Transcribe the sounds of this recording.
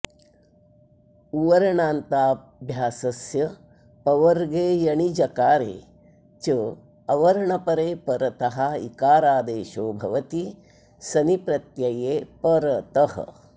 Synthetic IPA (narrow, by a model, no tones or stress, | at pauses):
uʋɐɾɐɳaːnt̪aː | bʱjaːsɐsjɐ | pɐʋɐɾɡeːjɐɳid͡ʒɐkaːɾḛː | t͡ʃə | ɐʋɐɾɐɳɐpɐɾeːpɐɾɐt̪ɐɦaḭkaːɾaːd̪eːʃoːbʱɐ̰ʋɐt̪i | sɐnipɾɐt̪jɐjeːpɐɾɐt̪ɐhɐ̰